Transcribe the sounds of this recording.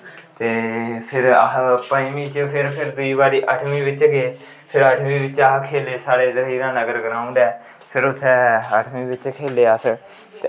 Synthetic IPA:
t̪eːpʰɪɾpəiːmĩːt͡ʃpʰɪɾpʰɪɾd̪ʊiːbaːɾiːʔəʈʰmĩːʋɪt͡ʃɡeː | pʰɪɾəʈʰmĩːʋɪt͡ʃaːɦkʰeːleːsaːɽeːzəɾiːɾãːnəɡəɾɡəɾaːʊ̃nd̪ɛː | pʰɪɾʊt̪ʰːeːəʈʰmĩːʋɪt͡ʃkʰeːleːəs | t̪ː

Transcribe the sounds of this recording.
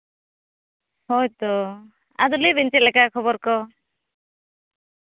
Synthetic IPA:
hɔjt̪ɔ | a̰d̪ulibint͡ʃɛt̪lɛkakʰɔbɔɾkɔ

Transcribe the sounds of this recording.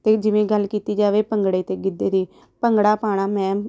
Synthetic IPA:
t̪eːd͡ʒɪʋẽːɡəlkiːt̪iːd͡ʒaːʋeːpəŋɡɽeːt̪eːɡɪd̪eːd̪iː | pəŋɡɽaːpaːɽ̃aːmɛ̃ː

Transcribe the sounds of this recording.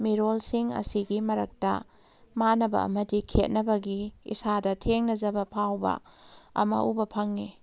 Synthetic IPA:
miɾolsiŋɐ̰siɡimɐɾɐk̚tɐ̰ | manɐbɐ̰ɐ̰mɐdikʰet̚nɐbɐɡiḭsadɐtʰeŋnɐzɐbɐpʰawbɐ̰ɐ̰mɐ̰ʔubɐpʰɐŋːi

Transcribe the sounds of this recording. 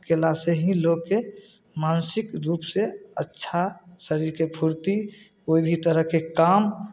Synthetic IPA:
kelaseɦĩloɡke | mansɪkɾuːpseətːʃʰasəɾiɾkebʰʱuɾt̪i | oibʱit̪əɾəɦkekam

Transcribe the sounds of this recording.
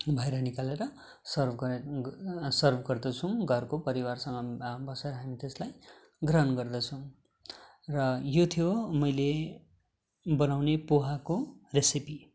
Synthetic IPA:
bʱʌeɾʌnikaleɾʌ | sʌrb | sʌrbʱɡʌrd̪ʌt͡sʰʌw̃ɡʱʌrkopʌɾiwarsʌŋɡʌbʌseɾʌɦamit̪eslaj | ɡrʌɦʌnɡʌrd̪ʌt͡sʰʌw̃ | rʌjot̪ʰijomʌjle | bʌnawnepoɦakoresipi

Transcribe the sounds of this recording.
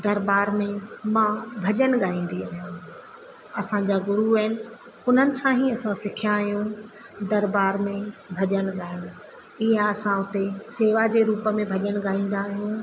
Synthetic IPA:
d̪ɐɾbaːɾmẽmãbʱɐʄəɽ̃ɠaːĩːn̆d̪iaːɦjã | ɐsãd͡ʑaːɡʊɾuəɦɪnɪ̆ | ʊn̤ənɪ̆sãɦiɐsãsɪkʰjãːɦijũ | d̪ɐɾbaːɾmẽbʱɐʄəɽ̃ɠaːɪɽ̃ʊ̃ | iãɐsãʊt̪eseːʋad͡ʑeːɾuːpəmẽbʱɐʄəɽ̃ɠaːĩːnd̪aːɦijũ

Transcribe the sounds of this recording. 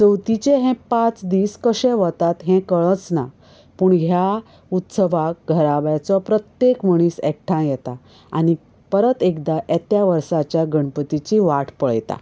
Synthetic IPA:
t͡səwt̪it͡ɕeɦɛ̃pãt͡sd̪iːskəɕɛ̃ʋɔt̪at̪ɦɛ̃kəɭət͡sna | puːɳɦja | ut̪səʋak̚ɡʱəɾaʋjat͡sɔpɾət̪jekməɽ̃iːsɛk̚ʈʰãjɛt̪a | a̰ñi | pəɾət̪ekd̪aʔɛt̪jaʋəɾsat͡ɕjaɡʱəɳpət̪it͡ɕiʋaʈpəɭjt̪a̰

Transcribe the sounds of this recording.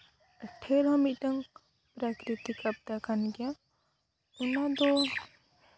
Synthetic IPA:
əʈʰeɾɦɔmit̪̚ˀʈ̪aŋ | pɾakɾit̪ikap̚d̪akʰanɡija | unad̪ɔ

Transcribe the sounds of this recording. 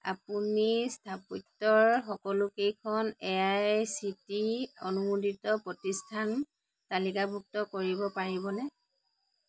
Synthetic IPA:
a̰punistʰaputːɔɹxɔkɔlʊkejkʰɔnɛasitiɔnumudʱitɔpɹɔtistʰan | talikabʱuk̚tɔkoɹibɔpaɹibɔnɛ

